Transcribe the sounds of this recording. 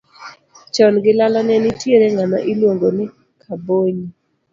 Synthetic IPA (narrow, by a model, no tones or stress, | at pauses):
t͡ʃɔnɡɪlalanɛnɪtjeɾeŋanɔʔilwoŋɡonɪ | kʰaboɲi